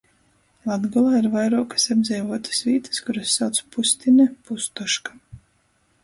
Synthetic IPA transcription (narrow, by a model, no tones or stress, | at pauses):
lˠad̪ɡɔlˠaːiɾvajɾuɔkḁsabzʲɛjvuɔt̪ɨ̥svʲiːt̪ɨ̥skuɾasːawt̪su̥pusʲt̪ʲinɛpust̪ɔʃkḁ